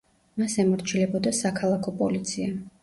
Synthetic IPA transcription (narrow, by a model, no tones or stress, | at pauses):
masɛmɔɾt͡ʃʰilɛbɔd̪asakʰalˠakʰɔpʼɔ̰lit̪sʰia